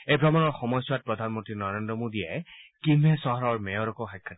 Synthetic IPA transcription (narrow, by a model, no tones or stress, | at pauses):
ejbʱɹɔmɔnɔɹxɔmɔjsuwat̚pɹɔdʱanmɔntɹinɔɹendɹɔmodiɛkimɦɛsɔɦɔɹɔɹmɛjɔɾɔkɔxajkʰːat